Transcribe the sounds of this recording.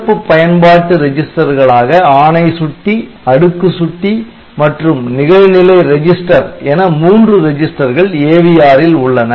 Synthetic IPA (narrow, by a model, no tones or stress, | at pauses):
pːɯpːɐjɐnpaːʈːɯɾɛd͡ʒɪsʈɐɾɣɐɭaːɣɐaːɳɐɪsʊʈːi | ɐɽɯkːɯsʊʈːi | mɐʈrɯmnɪɣɐɪnɪlɐɪɾɛd͡ʒɪsʈɐɾeːnɐmuːndrɯɾɛd͡ʒɪsʈɐɾɣɐɭeːʋɪjaːɾɪlʊɭːɐnɐ